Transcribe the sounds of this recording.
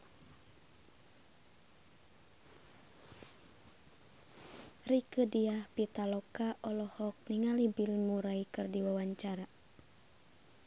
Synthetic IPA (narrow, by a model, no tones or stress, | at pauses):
rikədiahpit̪alɔkaʔɔlɔhɔk̚niŋalibilmuɾaikɨrdiwawaɲt͡ʃaɾa